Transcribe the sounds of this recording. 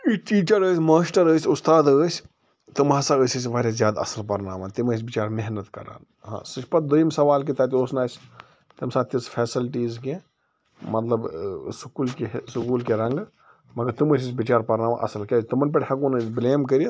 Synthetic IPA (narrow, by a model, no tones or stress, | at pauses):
iʈiːt͡ʃəɾəːsʲmaːsʈɐɾəːsʲust̪aːd̪əːsʰʲ | t̪ɨmɦaːsaəːsʲəsʲʋaːɾʲazʲjaːd̪aɐ̰sɐlpɐɾnaːmant̪iməːs̬ʲbit͡ʃaːɾmeɦnɐt̪kɐ̰ɾa̰ːn | hã̰ːsɨt͡ʃʰpɐt̪̚d̪ujimsɐʋaːlk̬iet̪aːt̪̬ʲioːsnaːsʲ | t̪ɐmsãːt̪isfʰeːsilʈiːzkẽ | mɐt̪lɐbsukuːlkesukuːlkeɾɐŋɡ | mɐɡɐɾt̪iməːsʲisʲbit͡ʃaːɾpɐɾnaːma̰ʔɐ̰sɐlkʲesʲʰt̪umɐnp̬eʈhɐkuːnəsʲbleːmk̬əɾie